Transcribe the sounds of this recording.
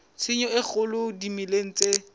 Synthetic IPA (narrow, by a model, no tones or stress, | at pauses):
sɪɲɔɪk͡xʰʊlʊdimileŋ̩t͡sʼe